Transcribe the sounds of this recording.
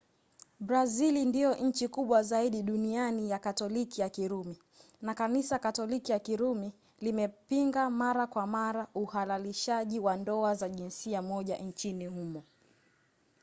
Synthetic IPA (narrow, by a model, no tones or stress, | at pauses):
ɓɾazilindijɔʔɲ̩t͡ʃikuɓwazaiɗiɗunianijakatɔlikijakiɾumi | nakanisakatɔlikijakiɾumi | limɛpiŋɡamaɾakwamaɾauhalaliʃaʄiwandɔazaʄinsiamɔʄa̰ɲt͡ʃinihumɔ